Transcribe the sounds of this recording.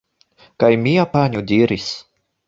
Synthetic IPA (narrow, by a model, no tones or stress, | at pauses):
kajmʲiapanʲud̪ʲiɾis